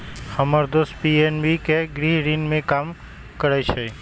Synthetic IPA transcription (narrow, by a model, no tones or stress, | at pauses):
həməɾd̪ospienbikeɡɾiɦɾinmẽkam | kəɾat͡ʃʰe